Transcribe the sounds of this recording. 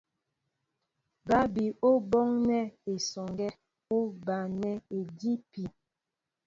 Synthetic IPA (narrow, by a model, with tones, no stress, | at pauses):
ba˦bi˨o˦bɔ˦ŋnɛ˦e˨sɔ˨ŋɡɛ˦ | o˦ba˨nɛ˦e˨di˦pi˨